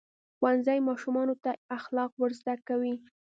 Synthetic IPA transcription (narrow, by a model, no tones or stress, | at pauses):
xwanzajmɑʃumɑnot̪aaxlɑqwəɾzd̪akawi